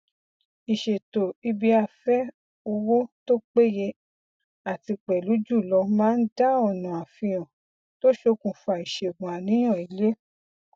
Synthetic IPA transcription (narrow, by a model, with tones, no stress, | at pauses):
i˨ʃe˨to˨i˧bi˨˧a˧fɛ˦ | o˧wo˦to˦k͡pe˦je˧ | a˨ti˧k͡pɛ˨lu˨˦d͡ʒu˦˨lɔ˧mãː˦n̩˦da˦ɔ˦˨nɔ̃˨a˨fĩ˧j̃ɔ̃˨ | to˦ʃo˧˦kũ˨fa˧˨i˨ʃe˨ɡ͡bũ˨a˨nĩ˨˦j̃ɔ̃˦˨i˨le˦